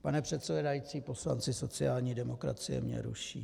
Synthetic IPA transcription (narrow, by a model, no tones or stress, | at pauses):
panɛpr̥ɛt̪sɛvɛdajiːt͡siːpo̞sla̰nt͡sɪso̞t͡sɪaːlɲiːdɛmo̞kɾa̰t͡sɪjɛ̰mɲɛ̰ɾṵʃḭː